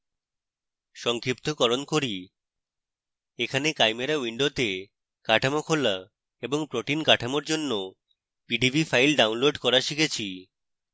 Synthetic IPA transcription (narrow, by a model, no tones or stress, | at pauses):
ʃɔŋkɾip̚t̪okɔɾonkoɾi | ekʰanekajmeɾawiɳɖot̪e | kaʈʰamokʰola | eboŋpɾoʈinkaʈʰamoɾd͡ʑonːo | piɖibʱifajlɖawnloɖkɔɾaʃikʰet͡ɕʰi